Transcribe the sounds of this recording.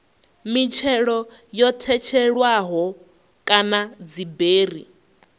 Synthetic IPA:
mit͡ʃʰɛɺɔ | jɔtʰɛt͡ʃʰɛɺwaɦɔ | kʼanad͡zibeːrḭ

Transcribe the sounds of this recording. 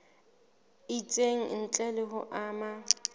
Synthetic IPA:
it͡sʼeŋ̩n̩t͡ɬʼɛlɪɦʊʔaːma

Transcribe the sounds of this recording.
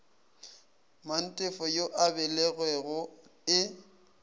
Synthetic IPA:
man̩tʼɪfɔjoʔabɛlɛɣwɛɣʊɪ

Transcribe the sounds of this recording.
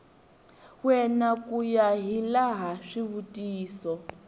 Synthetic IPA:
wɛnakujaɦilaɦaʂiβutʼiːsɔ

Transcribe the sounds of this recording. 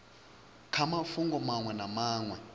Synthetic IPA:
kʰamafuŋɡɔmaŋwɛnamaːŋwɛ

